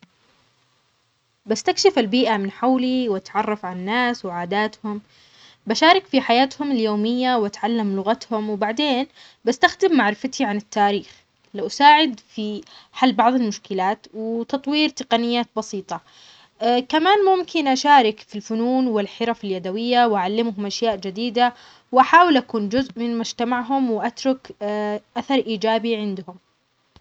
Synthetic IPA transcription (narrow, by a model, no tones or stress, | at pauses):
bast̪akʃɪfalbiːʔamɪnħawliwat̪ʕɑrˤːɑfʕananːaːswɪʕaːd̪aːt̪hʊm | baʃaːɾˤɪkfiħajaːt̪hʊmɪljoːmɪjːawʔat̪ʕalːamlʊɣat̪hʊmwbaʕd̪eːn | bast̪axd̪ɪmːaʕɾɪfat̪ʰiʕanɪt̪ːaːɾiːx | lawʔasaːʕɪd̪fiħalːbɑʕðˤɪlmʊʃkɪlaːt̪wɪt̪ɑt̪ˤwiːɾt̪ɪqɑnɪjːaːt̪̚bɑsiːt̪ˤɑ | kamaːnmʊmkɪnʔaʃaːɾɪkfilfʊnuːnwɪlħɪɾɑfɪljad̪awɪjːawʔaʕalːɪmɦʊmʔaʃjaːʔd͡ʒɪd̪iːd̪a | wʔaħaːwɪlʔakuːnd͡ʒʊzʔmɪnmʊd͡ʒt̪amaʕɦʊmwɪʔat̪ɾˤʊkʔaθɑɾˤʔiːd͡ʒaːbiʕɪnd̪hʊm